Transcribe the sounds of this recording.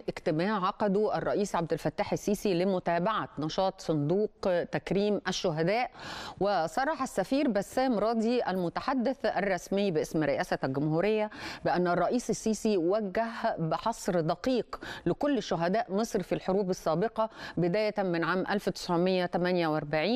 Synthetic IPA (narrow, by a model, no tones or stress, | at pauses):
ʔɪkt̪ɪmæːʕʕɑqɑd̪uʔærˤːɑʔiːsʕab̚d̪ɪlfæt̪ːaːħɪsːiːsilɪmʊt̪æːbaʕanɑʃɑːt̪ˤsˤʊnd̪uːqt̪ækɾiːmʔæʃːʊɦæd̪æːʔwɪsˤɑrˤːɑħasːæfiːɾbæsːæːmɾˤɑːd̪iʔælmʊt̪aħad̪ːɪθʔærˤːɑsmɪjːbʔɪsmɾɪʔæːsælɡʊmhuːɾɪjːæbɪʔænːɑrˤːɑʔiːsɪsːiːsiwæɡːæhbɪħɑsˤɾd̪ɑqiːqlɪkolːʃʊɦæd̪æːʔmɨsˤɾfilħoɾuːbɪsːæːbɪqɑbɪd̪æːjæmɪnʕaːmʔælfwt̪ɪ̥sʕomejːæt̪æmænjæwʔɑɾˤbaʕiːn